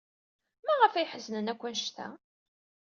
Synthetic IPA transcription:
mæʁəfæjħəznənækʷːænʃt̪æ̰

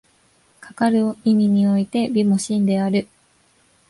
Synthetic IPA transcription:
kʰḁkaɾɯ̟imʲiɲ̟io̞it̪e̞bʲimo̞ɕĩnd̪e̞aɾɯ̟

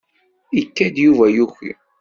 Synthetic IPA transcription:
ikːæd̪juvæjuçḭ

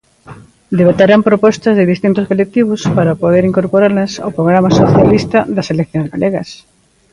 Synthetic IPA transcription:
d̪eβat̪aɾampɾopɔst̪ɐzðɪðist̪int̪ʊskolek̚t̪iβʊspaɾapoðeɾiŋkoɾpoɾaɾlɐsa̰wpɾoɣ̞ɾamaɐsoθjalist̪ɐðɐselekθjõŋzɣaleɣɐs

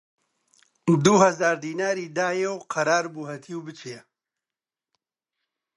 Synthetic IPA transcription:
d̪uɦɐzaːɾd̪iːnaːɾiːd̪aːjewqʰɐɾaːɾbuɦɐt̪ʰiwbɨt͡ʃʰijɐ

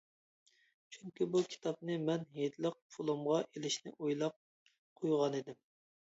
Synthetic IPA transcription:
t͡ʃʰyŋkʲibukʲʰi̥t̪ʰɑp̚nɨmɛnɦed̪lˠəq̚pʰolˠumʁɑʔelɪʃnɪ̰ʔojlˠɑp̚ | qʰːojʁɑned̪ɪm

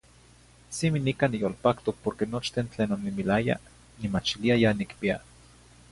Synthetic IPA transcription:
siminikanijolpakt̪opoɾkenot͡ʃt̪ent͡ɬeːnonːimilaja̰ | nimat͡ʃiliajanikpia̰

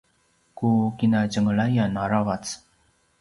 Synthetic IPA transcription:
kukinaɟəŋəɭajanaɾavat͡s

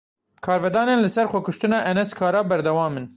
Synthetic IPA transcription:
kʰɑːɾvɛd̪ɑːnenlɨsɛɾxʷɛkʊʃt̪ɨnɑːʔɛnɛskʰɑːɾɑːbɛɾd̪ɛwɑːmɨn

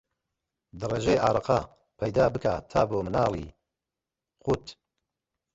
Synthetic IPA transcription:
d̪ɨreːʒejʔaːɾˤɑqɑ | pʰɐjd̪aːbɨkat̪ʰaːboːmɨnaːlˠḭː | qut̪

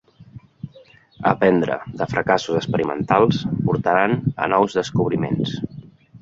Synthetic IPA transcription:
əpɛnd̪ɾə̰ðəfɾəkasuzəspəɾimə̰nt̪alˠspuɾt̪əɾanə̰nɔwzðəskuβ̞ɾimḛns

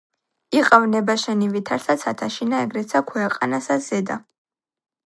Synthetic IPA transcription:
iqʼavnɛbaʃɛnivit̪ʰaɾsat̪sʰat̪ʰaʃinaɛɡɾɛt̪sʰakʰwɛqʼanasaz̥ɛd̪a

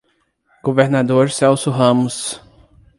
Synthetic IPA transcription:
ɡ̥oveɾnad̪oɾsɛwsʊɦɐ̃mʊs

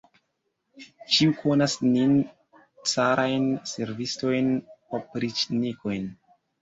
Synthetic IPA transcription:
t͡ʃiukʰo̞nasnin | t͡saɾʔajnse̞ɾvisto̞jnpopɾit͡ʃniko̞jn

